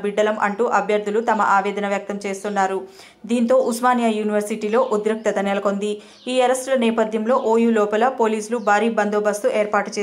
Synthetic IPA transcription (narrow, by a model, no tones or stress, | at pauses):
biɖːɐlɐmʔɐ̰ɳʈuːʔɐbʱjɐɾd̪ʱulut̪ɐmɐ̰ʔaːʋɛːd̪ɐnɐʋjɐk̚t̪ɐmt͡ʃe̞ːst̪unːaːɾu | d̪iːnt̪o̞ːʔusmaːnjaːjuːniʋɐɾsiʈiːlo̞ːʔud̪ɾɐk̚t̪ɐt̪ɐnɛlɐko̞nd̪i | iːɐɾɐsʈlɐnɛːpɐd̪ʱjɐmlo̞ːʔoːjulɔːpɐlɐpo̞ːliːslubʱaːɾiːbɐnd̪oːbɐst̪uʔe̞ːɾpaːʈu̥t͡ʃeː